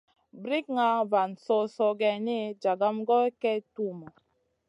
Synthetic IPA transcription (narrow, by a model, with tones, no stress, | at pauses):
bɾi˦k̚ŋa˦va˨nsɔ˦sɔ˦ɡɛ˨ni˦d͡ʒa˨ɡa˦mɡɔ˦kɛ˦tu˦˨ma˨